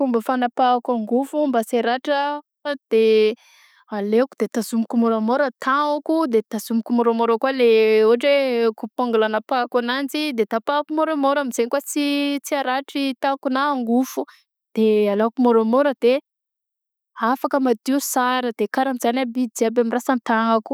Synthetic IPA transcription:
fumbəfanapakaŋɡufumbaseɾaʈ͡ʂə | d̪̥e | alekud̪̥et̪azumikumoɾamoɾət̪aukud̪et̪az̥umikumoɾomoɾakaleuaʈ͡ʂekupaŋɡulanapakanand͡zid̪et̪apakumoɾomoɾamiz̥enkwat͡sit͡siaɾaʈ͡ʂit̪akunaːŋɡufu | d̪̥ealakumoɾomoɾəd̪̥e | afakəmad̪iusaɾəd̪̥ekaɾamizanabid͡ziabamirasant̪aŋaku̥

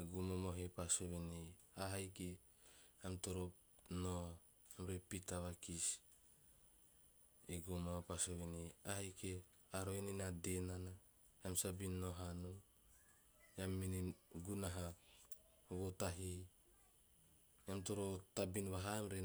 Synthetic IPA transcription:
eɡumomoɦepasoβeniaɦajke | amtoɾo | no | amɾepitaβakis | eɡumapasoβeniahajke | aɾoeninadenana | amsabinːoɦanu | jamːiniɡunaɦa | βotaɦi | jamtoɾotabinβaɦamɾe

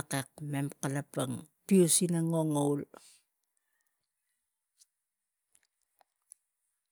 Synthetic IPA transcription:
kek̚memkalapaŋpiusinaŋoŋowl

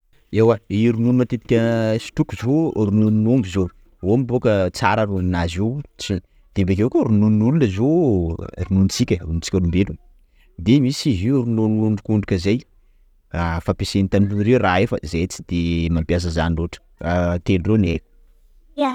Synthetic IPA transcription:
ewaiɾununumat̪et̪i̥kʲəsi̥t̪ukuzoɾununnombizo | omibokət͡saɾəɾuinazewt͡si | d̪̥embek̬ekoɾununnulunəzo | rununt͡sikʲəuunt͡si̥kʲəɾumbelu | d̪emisiziɾunuluɳɖ͡ʐukuɳɖ͡ʐukʲəzej | afapesenit̪anilunɾeraefə̰zejt͡si̥d̪̥emampias̬əzaniroʈ͡ʂə̥ | at̪elureneu̥ | a

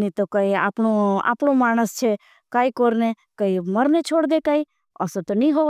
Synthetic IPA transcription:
nit̪okəia̰ːpnoa̰ːpɳomaːñəst͡ʃʰe | kaːikoɾnekəiməɾnet͡ʃʰoːɽd̪ekaːi | ə̰sot̪onĩɦo

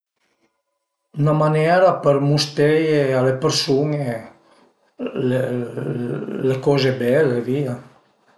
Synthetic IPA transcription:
ynamanɛɾapəɾmust̪ejealepeɾsuŋe | le | lekɔzebɛlevia

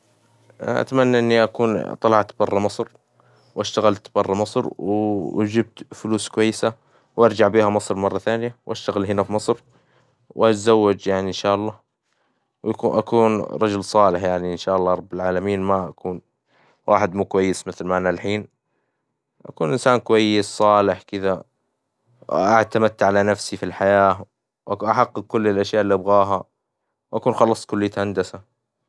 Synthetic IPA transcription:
ʔa̰t̪manːaʔɪnːiʔakuːnt̪ˤɑlɑʕt̪bɑrˤːɑmɑsˤɾ | wʔaʃt̪aɣalt̪bɑrˤːɑmɑsˤɾw̰d͡ʒɪb̚t̪fʊluːskʊwajːɪsa | wʔɑɾˤd͡ʒaʕbiːhamɑsˤɾmɑrˤːɑθaːnjawʔaʃt̪aɣɪlɦɪnafimɑsˤɾ | wʔat̪zawːad͡ʒjaʕniɪnʃaːʔɑlˤːɑː | wʔauʔa̰kuːnɾˤɑd͡ʒʊlsˤɑːlɪħjaʕniɪnʃaːʔɑlˤːɑːɾˤɑbːalʕaːlamiːnmaʔa̰kuːn | wa̰ːħɪd̪muːkwajːɪsmɪθlmaʔanalħiːn | ʔa̰kuːnʔɪnsaːnkʊwajːɪssˤɑːlɪħkɪd̪a | wʔat̪amat̪ːaʕalanafsifilħajaː | wʔaʔaħaqːɨq̚kʊlːɪlʔaʃjaːʔɪlːiʔabɣaːɦa | wʔakuːnxɑlːɑsˤkʊlːijat̪hand̪asa

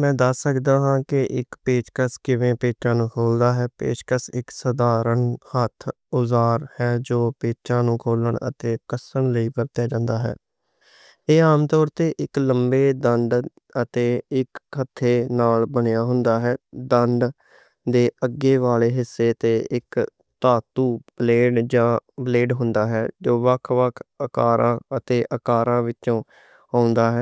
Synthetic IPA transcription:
mɛ̃ːd̪əsːəkd̪ãːɦãːkɪʔɪkpeːʃkəskɪʋẽːpeːt͡ʃːãːnũːkʰoːld̪aːɦɛːpḛːʃkəsɪksəd̪aːɾəɳhət̪ʰ | ʊzaːɾhɛːd͡ʒoːpeːt͡ʃãːnũːkʰoːləɳə̰t̪eːkəsəɳləiːpəɾt̪jaːd͡ʒãːnd̪aːɦɛ̰ː | eːaːmt̪ɔːɾt̪eːʔɪkləmbeːd̪əɳɖ | ət̪eːɪkʰːət̪ʰːeːnaːlbəɳejaːɦʊnd̪aːɦɛːd̪əɳɖ | d̪eːəɡeːʋaːleːɦɪsːeːt̪eːʔɪk | t̪aːt̪uːb̥leːɖd͡ʒãːbleːɖɦʊnd̪aːɦɛːd͡ʒoːʋəkʰʋəkʰəkaːɾʔã̰ːət̪eːʔəkaːɾãːʋɪt͡ʃõː | aːʊ̃nd̪aːɦɛː

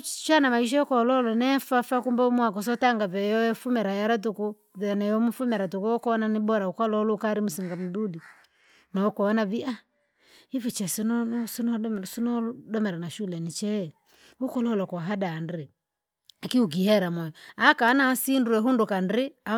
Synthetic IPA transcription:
t͡ʃanamaiʃ̬ɔɔkɔlɔlɔnɛfafakumbɛumwakɔs̬ɔtaŋɡavɛjɔɛfumɛɾajaɾat̬uku | vɛnɛjɔmufumɛɾatukuɔkɔnanibɔɾaukalɔlɔkaɾimusiŋɡam̩dudi | nɔɔkɔɔnavia | ivit͡ʃɛsinɔsunɔsunɔdɔmɛɾanaʃulɛnit͡ʃɛ | ukɔlɔlɔkɔaɦadanɾi | akiuɡ̬ihɛɾamɔjɔakanasinduɛɦundukandia

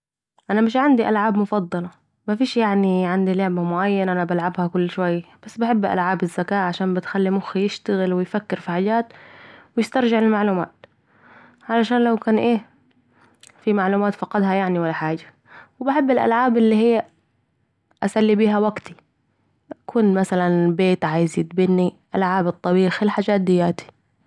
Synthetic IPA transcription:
ʔanamɪʃ̬ʕand̪iʔalʕaːbmʊfɑd̪ˤːɑlɑ | mafiːʃjaʕniʕɪnd̪ilʊʕmamʊʕajːanaʔanabalʕabhakʊlːʃwajːb̥asːbaħɪbːʔa̰lʕaːbɪzːakaːʔʕaʃaːmbɪt̪xalːimʊxijɪʃt̪aɣɪlwɪjfakːɪɾfiħaːd͡ʒaːt̪wjɪst̪ɑɾˤʒɪʕlɪlmaʕluːma̰ːt̪ | ʕalaʃaːnlawkaːnʔeː | fimaʕluːmaːt̪fɑqɑd̪hajaʕniwalːaħaːd͡ʒḁ | wbaħɪbːɪlʔa̰lʕaːbʔɪlːihɪjː | ʔasalːibiːɦawaɡt̪i | ʔakuːnmasalanbeːt̪ʕaːjɪzɪt̪̚bɪnːiʔalʕaːbɨt̪ˤːɑbiːxlħaːd͡ʒaːt̪̚d̪ɪjːaːt̪i̥

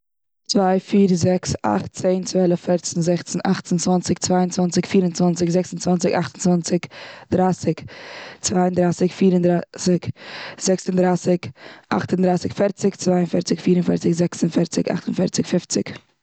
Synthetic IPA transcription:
t͡svaɪfiːɾzɛksa̰χtt͡seɪnt͡svɛlˠəffɛɾt͡sn̩zɛχt͡sn̩aχtənt͡svant͡sɪk̚t͡svaɪənt͡svant͡sɪkfiːɾənt͡svant͡sɪkzɛksn̩t͡svant͡sɪkaχtən̩t͡svant͡sɪkd̥ɾaːsɪkt͡svaɪəndɾaːsɪkfiːɾəndɾasɪkz̥ɛksəndɾaːsɪka̰χtəndɾaɪsɪkfɛɾt͡sɪkt͡svaɪənfɛɾt͡sɪkfiːɾənfɛɾt͡sɪkzɛksənfɛɾt͡sɪka̰χtən̩fɛɾt͡sɪkfɪft͡sɪ̰k

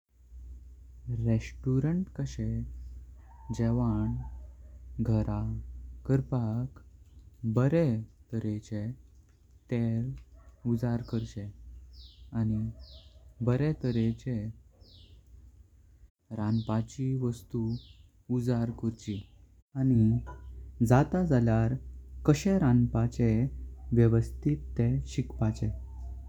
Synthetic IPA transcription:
ɾeɕʈuɾəɳʈkəɕe | d͡ʑɛʋaɳ | ɡʱəɾakəɾpak | bəɾet̪əɾet͡ɕe | t̪elud͡zaɾkəɾt͡ɕe | ani | bəɾɛt̪əɾet͡ɕe | ɾãnpat͡ɕiʋəst̪u | ud͡zaɾkəɾt͡ɕi | ani | d͡zat̪ad͡zaljaɾkəɕɛɾãnpat͡ɕeʋjəʋəst̪ʰit̪ːeɕikpat͡ɕɛ

